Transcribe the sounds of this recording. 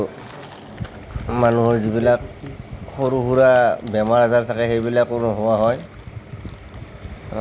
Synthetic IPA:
manuɦɔɹzibilak̚xoɹuɦuɹabɛmaɹazaɹtʰakɛxejbilakːʊnʊɦʊwaɦɔj

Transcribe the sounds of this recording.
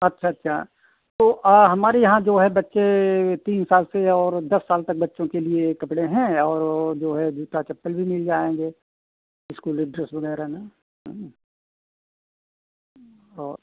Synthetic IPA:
ɐtːʃʰaɐtːʃʰa̰ | t̪oːʔɦɐmaːɾejɐɦãd͡ʒoːɦɛbɐtːʃet̪iːnsaːlseɔːɾd̪ɐsːaːlt̪ɐk̚bɐtːʃõkeliekɐpɽeɦɛ̃ɔːɾd͡ʒoːɦɛd͡ʒuːt̪at͡ʃɐpːəlbʱimɪld͡ʒaːẽːŋɡeː | ɪskulɪɖɾəsbɐɡɛːɾɦɛna | ɦ | ɔːɾ

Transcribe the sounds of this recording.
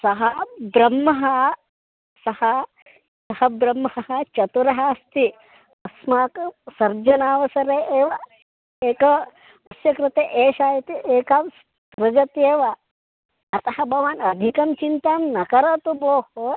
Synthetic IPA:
sɐɦɐbɾɐmːɐɦɐ | sɐhɐ | sɐhɐbɾɐmːɐhɐɦɐt͡ʃɐt̪uɾɐɦɐst̪ʰi | ɐsmaːksɐɾd͡ʒɐnaːʋɐsɐɾeeːʋɐ | eːkɐ | ɐsjɐkɾɪt̪eʔeːʃaːjɐt̪iʔeːkaːs | tɾɐd͡ʒɐt̪eːʋɐ | ɐt̪ɐhɐbʱɐʋaːnɐd̪ʱikɐmt͡ʃint̪aːmnɐkɐɾɐt̪uboːho

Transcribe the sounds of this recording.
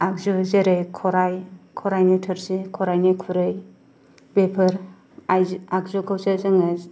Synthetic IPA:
ak̚zuzeɾɯjkʰɔɾajkʰɔɾajnitʰɯɾsikʰɔɾajnikʰuɾɯj | bepʰɯɾ | aakzukʰawsɯzɯŋɯ

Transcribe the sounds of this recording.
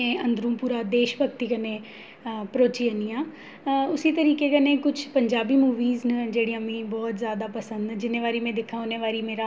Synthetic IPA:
ẽːə̃nd̪ɾũːpuːɾaːd̪eːʃbəkt̪iːkənẽː | pɾoːt͡ʃiːənijãː | ʊsiːt̪əɾiːkeːkənẽːkʊt͡ʃʰpəɲd͡ʒaːbiːmuːʋiːznd͡ʒeːɽijãmĩːbɔːt̪zjaːd̪aːpəsənd̪d͡ʒɪnẽːʋaːɾiːmɛ̃ːd̪ɪkʰːãːʊneːʋaːɾiːmeːɾaː

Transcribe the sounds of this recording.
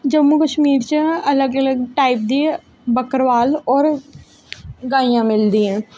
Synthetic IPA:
d͡ʒəmːukəʃmiːɾt͡ʃəələɡələɡʈaːɪp̚d̪i | bəkəɾʋaːlɔːɾ | ɡaːijãmɪld̪ĩːɦɛ̃ː

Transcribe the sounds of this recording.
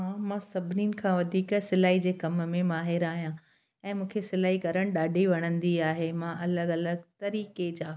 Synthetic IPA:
ɦãmãːsɐbʱɪniːnɪ̆kʰãʋɐd̪ʱiːksɪlaːɦid͡ʑeːkɐmmẽmaːɦɪɾaːɦijã | ɛ̃ːmũːkʰesɪlaːɦikɐɾəɽ̃ɗaːɖʱiʋɐɽ̃ə̃nd̪iaːɦemãʔɐləɡɐləɡt̪ɐɾiːked͡ʑaː

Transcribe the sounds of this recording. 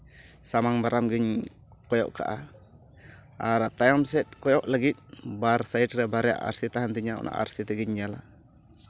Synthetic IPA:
samaŋbaɾamɡiɲ | kɔjɔ̰ʔka̰ʔa | aɾaʔt̪ajamsɛt̪̚kɔjɔʔlaɡit̪̚baɾsajiʈɾɛbaɾɛja̰ʔa̰ɾsit̪aɦant̪iɲaɔ̰nʔa̰ʔa̰ɾsit̪ɛɡiɲd͡ʒala̰

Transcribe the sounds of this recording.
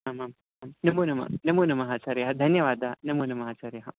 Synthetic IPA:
ɦamaːm | maːmnɐmuːnɐmɐ̰nɐmuːnɐmɐɦaːt͡ʃaːɾjɐɦɐd̪ʱɐnjɐʋaːd̪anɐmuːnɐmɐɦaːt͡ʃaːɾjɐɦɐ

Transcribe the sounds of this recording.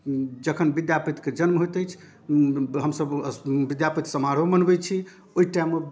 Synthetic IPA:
d͡ʒəkʰənbid̪japit̪ked͡ʒənmɦot̪ɛjt͡ʃʰ | ɦəmsəbbid̪japit̪səmaɾomənbɛt͡ʃʰi | oiʈajme

